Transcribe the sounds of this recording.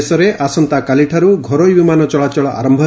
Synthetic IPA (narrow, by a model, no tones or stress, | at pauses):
sɔɾeʔasɔnt̪akaliʈʰaɾuɡʱɔɾɔjbimanɔt͡ʃɔɭat͡ʃɔɭɔʔa̰ɾɔmbʱɔ